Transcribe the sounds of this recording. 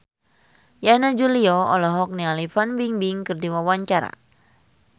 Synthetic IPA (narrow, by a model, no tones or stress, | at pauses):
janad͡ʒuliɔɔ̰lɔɦɔk̚nialifanbiŋbiŋkɨrdiwawaɲt͡ʃaɾa̰